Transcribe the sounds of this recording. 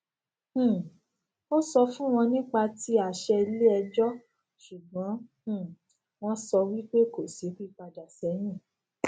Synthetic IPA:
o˦sɔ˧fũ˦w̃ɔ̃˧nĩ˦k͡pa˧ti˦a˨ʃɛ˧le˦ɛ˧d͡ʒɔ˦ | ʃu˨ɡ͡bɔ̃˨˦˨ | w̃ɔ̃˦sɔ˧wi˦k͡pe˦ko˦˨si˨˦ki˦k͡pa˧da˨sɛ˨˦jĩ˦˨

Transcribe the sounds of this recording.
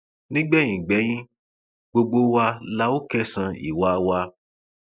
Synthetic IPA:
nĩ˦ɡ͡bɛ˦˨ĩ˨ɡ͡bɛ˨˦j̃ĩ˦ | ɡ͡bo˧ɡ͡bo˦wa˧la˦o˦kɛ˦sã˧ḭ˨wa˨˦wa˧

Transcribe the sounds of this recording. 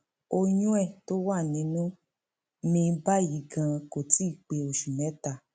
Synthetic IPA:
o˧jũ˦ɛ˦˨to˦wa˦˨nĩ˨˦nũ˦ | mĩ˧˦ba˦ji˨˦ɡã˧ko˨ti˦˨k͡pe˧o˨ʃu˨mɛ̃˨˦ta˦˨

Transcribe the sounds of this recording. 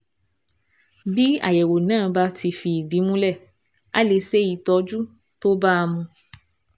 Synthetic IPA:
bi˦a̰˦˨jɛ˨wo˨nãː˦˨˧ba˦tʰi˧fi˧˨di˨˦mũ˦lɛ˦˨ | a̰˦le˧˦se˦ji˨tɔ˧˦d͡ʒu˦ | to˦ba˦˧mũ˧

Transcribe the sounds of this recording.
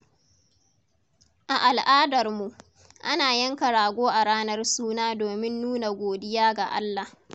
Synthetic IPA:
ʔa˨ʔa˨lʔaː˦dɐ˨rmu˨ʔ | ʔa˦naː˨jɐ˦ŋkɐ˨ɽaː˨ɡʷoː˦ʔa˨ɽaː˦nɐ˦rsuː˦naː˦doː˨mɪ˦nːuː˦na˨ɡʷoː˨dɪ˦jaː˦ɡa˨ʔa̰˦lːa˨

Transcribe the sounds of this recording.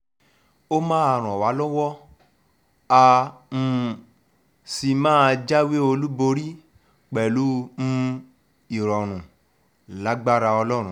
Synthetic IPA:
o˦mãː˦a˧˨ɾ̃ɔ̃˨wa˨˦lɔ˦wɔ˦ | a˧m̩˦˧ | si˧mãː˦˧d͡ʒa˦we˦o˧lu˦bo˧ɾi˦ | k͡pɛ˨lu˨˦n̩˦ | i˨ɾɔ˨ɾ̃ũ˨ | la˨˦ɡ͡ba˦ɾa˧ɔ˧lɔ˦˨ɾ̃ũ˦

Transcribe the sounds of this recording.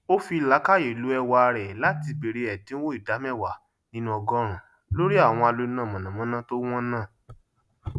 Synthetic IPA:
o˦fi˧˨la˨˦ka˦˨je˨lu˨˦ɛ˧wa˧ɾɛ˨la˦ti˧be˨ɾe˧ɛ˨dĩ˨˦wo˦i˦˨da˨˦mɛ˦˨wa˨ | nĩ˦nũ˦ɔ˧ɡɔ˦ɾ̃ũ˨ | lo˦ɾi˦a˦˨w̃ɔ̃˧a˧lo˧˦nã˦˨mɔ̃˨nã˨mɔ̃˨˦nã˦to˦w̃ɔ̃˦nãː˦˨

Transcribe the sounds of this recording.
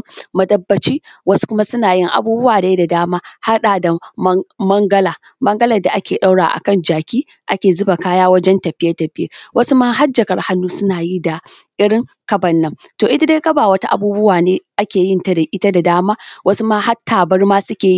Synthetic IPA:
mɐ˨dɐ˦bːɐ˨t͡ʃiː˦wɐ˦su̥˦kʷʊ˦ma˦sʊ˦naː˨jɪ˦ŋʔa̰˨buː˦bʊ˦waː˨da˨ji˦da˨daː˦maː˦ha˦ɗaː˨da˨˦mɐ˦ŋɡɐ˦laː˨ | mɐ˦ŋɡɐ˦lɐ˨da˨ʔa˦kʲeː˨ɗa˦wɽa̰ː˨ʔa̰˨kɐ˦˨nd͡ʒaː˨kʲiː˦ | ʔa˦kʲeː˨zʊ˦ba˨kaː˦jaː˦wɐ˦d͡ʒɛ˦ntɐ˨ɸɪ˦jɐ˦tɐ˨ɸɪ˦jḛ˦wʔɐ˦su˦maː˦ɦa˦d͡ʒɐ˨kɐ˨rha˦nːuː˦sʊ˦naː˨ji˦da˨ʔɪ˦ɽɪ˦ŋkɐ˦bɐ˨nːɐ˦mtoː˨ʔɪ˦da˦de˦kɐ˦baː˨wɐ˦ta˦ʔa̰˨buː˦bʊ˦waː˨neː˦ʔa˦kʲeː˨jɪ˦ntɐ˦da˨ʔɪ˦ta˦da˨daː˦maː˦wʔɐ˦su˦maː˦ɦa˦tʰːaː˨bɐ˦rmaː˦sʊ˦kʲeː˨ji˦

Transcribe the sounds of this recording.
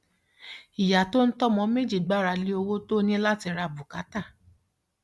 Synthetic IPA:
i˨ja˨to˦n̩˦tɔ˦mɔ̃˨˧˦me˦d͡ʒi˦˨ɡ͡ba˨˦˨ɾa˧li˦o˧wo˦to˦nĩ˦la˦ti˧ɾa˧bu˨ka˨˦ta˦˨

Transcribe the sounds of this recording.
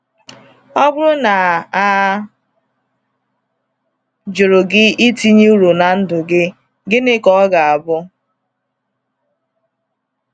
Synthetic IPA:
ɔ˦bʊ˦ɾʊ˦na˨a˨˦ | d͡ʒʊ˨ɾo˨ɡɪ˦i˦ti˦ɲe˦u˦ɾo˨na˨n̩˦dʊ˨ɡɪ˦ | ɡɪ˦nɪ˦kɔ˦ɡa˨a˨bʊ˦

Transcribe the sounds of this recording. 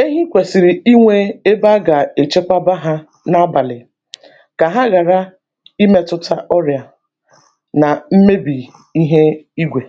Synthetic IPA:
e˦ɦi˦kʷe˨si˨ɾi˨i˦ŋʷe˦e˦ba˦ɡa˨e˨t͡ʃe˦kʷa˦ba˦ɦa˦ | na˦a˦ba˨lɪ˨ | ka˨ɦa˦ɣa˨ɾa˦ | i˦me˦tʊ˦tʰa˦ʔɔ˦ɾja˨ | na˨m̩˦me˦bi˨ | i˦ɦe˦i˦ɡʷe˨

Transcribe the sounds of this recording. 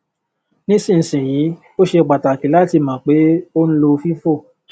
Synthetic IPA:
nĩ˦sĩ˦˨n̩˨sĩ˨jĩ˨˦ | o˦ʃe˧˨k͡pa˨ta˨ki˨˦la˦ti˧˨mã˨k͡pe˨˦o˦ñ̩˦lo˧fi˦fo˦˨

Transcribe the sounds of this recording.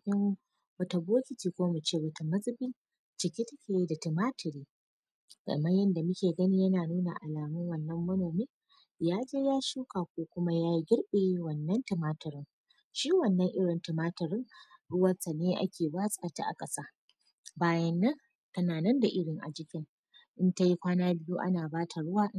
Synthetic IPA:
ɪ˦ŋ | bɐ˨tɐ˨boː˦kʲɪ˨tiː˨kʷoː˦mʊ˨t͡ʃeː˦bɐ˨tɐ˨mɐ˦sʼɪ˦bɪ˦n | t͡ʃɪ˨kʲe˦tɐ˦kʲeː˦˨ji˦da˨tɪ˨maː˦tʰɪ˨ɽiː˦ | ɡ̥ɐ̰˨mɐ˦jɐ˦nda˨mʊ˦kʲeː˨ɡɐ˦ni˦jɐ˦naː˨nuː˦na̰˨ʔa˨laː˨mʊ˦ŋwɐ˨nːɐ˦mːɐ˦noː˨meː˦ | jaː˦d͡ʒeː˦jaː˦ʃuː˦kaː˨kʷoː˦kʷʊ˦ma˦jaː˦ji˦ɡʲɪ˦ɽɓe˨i˦wɐ˨nːɐ˦ntɪ˨maː˦tɐ˨ɾɪ˦ŋ | ʃiː˦wɐ˨nːɐ˦ŋʔɪ˦ɽɪ˨ntɪ˨maː˦tɐ˨ɾɪ˦ŋɽʊ˦wɐ˦˨rta˨neː˦ʔa̰˦kʲeː˨baː˦sʼaː˨ta̰ː˦ʔa̰˨kʼɐ˦saː˦ | baː˦jɐ˦nːɐ˦n | tɐ˨naː˨nɐ˦nda˨ʔɪ˦ɽɪ˨ŋʔa̰˨d͡ʒɪ˦kʲɪ˦ŋ | ʔɪ˦nta˦ji˦kʷaː˦naː˦bɪ˦ju˦ʔa̰˦naː˨baː˦tʰa˨ɽʊ˦waː˦

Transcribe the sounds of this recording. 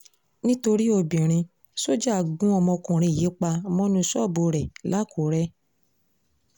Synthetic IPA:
nĩ˦to˧ɾi˦o˧bĩ˨ɾ̃ĩ˧ | so˦d͡ʒa˦˨ɡũ˦ɔ˧mɔ̃˧kũ˨ɾ̃ĩ˧˨je˨˦k͡pa˧mɔ̃˦nũ˧sɔ˦˨bo˧ɾɛ˨la˨˦ko˨˦ɾɛ˦

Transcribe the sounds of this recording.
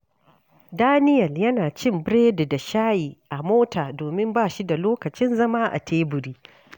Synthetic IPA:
daː˦nɪ˦jɐ˨ljɐ˦naː˨t͡ʃɪ˦˨mbɽeː˦dda˨ʃaː˦jiː˨ʔa˨moː˦taː˨doː˨mɪ˦mbaː˦˨ʃi˦da˨loː˦kɐ˨t͡ʃɪ˦nzɐ˦maː˦ʔa̰˨tʰeː˦bʊ˨ɾiː˦

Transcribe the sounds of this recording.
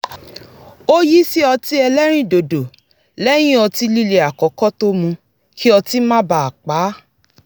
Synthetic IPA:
o˦ji˦si˦ɔ˧ti˦ɛ˧lɛ˦ɾ̃ĩ˦˨do˨do˨ | lɛ˦j̃ĩ˦ɔ˧ti˦li˦le˨a˨kɔ˨˦kɔ˦to˦mũ˧ | kʰi˦ɔ˧ti˦mã˦ba˨a˨k͡pa˨˦

